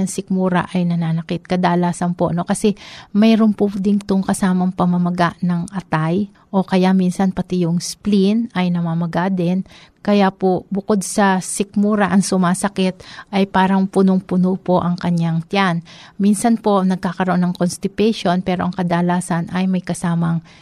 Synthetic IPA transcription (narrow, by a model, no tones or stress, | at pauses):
ɐŋsɪk̚muːɾɐ̰ʔɐjnɐnaːnɐkɪt̪̚kɐd̪aːlaːsɐnpo̞ʔno̞kɐsɛmɛːɾonpʊd̪ɪnt̪ʊŋkɐsaːmɐŋpɐmɐmɐɡaʔnɐŋʔɐt̪aj | ʔo̞kɐjaminsɐnpɐt̪ɪjʊŋsplinʔɐjnɐmamɐɡad̪ɛnkɐjapobʊko̞d̪̚sɐsɪk̚muːɾɐʔɐŋsʊmaːsɐkɛt̪̚ʔɐjpaːɾɐŋpʊnoŋpʊnopo̞ʔɐŋkɐɲaŋt̪janminsɐnpo̞ʔɐŋnɐɡ̚kaːkɐɾoonːɐŋkonst̪ɪp̪ɛʃo̞npɛːɾo̞ʔɐŋkɐd̪aːlaːsɐnʔɐjmɐjkɐsaːmɐŋ